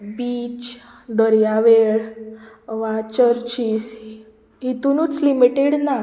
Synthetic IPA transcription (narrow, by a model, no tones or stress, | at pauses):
biːt͡ɕ | d̪əɾjaʋeɭ | ʋat͡ɕəɾt͡ɕis | ɦit̪unuːt͡slimiʈeɽna